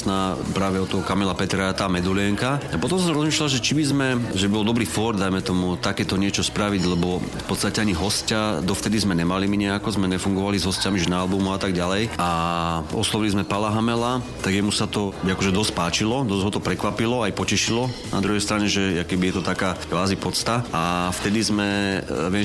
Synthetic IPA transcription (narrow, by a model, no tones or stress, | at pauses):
napɾaːʋɛɔt̪ɔɦɔkamɛlapɛt̪ɾaat̪aːmɛd̪uliɛŋkaapɔt̪ɔ̃ms̬ɔmɾɔzmiːʃlalʒɛt͡ʃibizmɛʒɛbibɔlˠd̪ɔbɾiːfɔɾd̪ajmɛt̪ɔmut̪akɛːt̪ɔɲɪɛt͡ʃɔspɾaʋiɟlɛbɔfpɔt̪st̪acɛaɲiɦɔscad̪ɔft̪ɛd̪izmɛɲɛmalimiɲɛakɔzmɛɲɛfuŋɡɔʋalizɦɔscamiʒɛnaːlbumuat̪aɡɟalɛjaʔɔ̰slˠɔʋilizmɛpalaɦamɛlat̪aɡjɛmusat̪ɔakɔʒɛd̪ɔsc̚paːt͡ʃilɔd̪ɔzɦɔt̪ɔpɾɛkʋapilɔajpɔcɛʃilɔna̰d̪ɾuɦɛjst̪ɾaɲɛʒɛakɛbijɛt̪ɔt̪akaːɡʋaːzipɔt̪t͡st̪aaft̪ɛd̪izmɛʋɪɛ